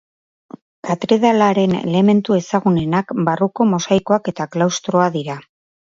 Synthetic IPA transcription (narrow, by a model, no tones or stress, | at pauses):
kat̪ɾe̞ðalaɾe̞nḛle̞me̞nt̪ue̞saɣ̞une̞nakbaruko̞mo̞sajko̞ake̞t̪aklawst̪ɾo̞aðiɾa